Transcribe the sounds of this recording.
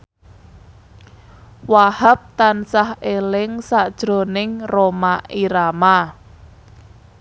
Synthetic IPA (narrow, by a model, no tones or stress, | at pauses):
wahap̚t̪ansahelɪŋsaʔd̥ʒ̥ɾo̤nɪŋromaiɾama